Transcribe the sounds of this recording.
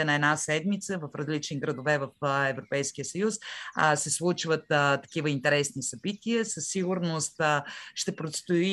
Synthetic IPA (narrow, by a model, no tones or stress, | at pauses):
ɛnɐɛd̪nasɛd̪mit̪səvɐfɾɐzlit͡ʃ̪iɡɾɐd̪ovɛvɐfɛvɾopɛjsk̟ijəsɐjussɛslˠut͡ʃvət̪t̪ːɐ̥k̟ivəint̪ɛɾɛsnisɐbit̪iəsəsːiɡuɾnost̪ʃt̪ɛpɾot̪st̪oi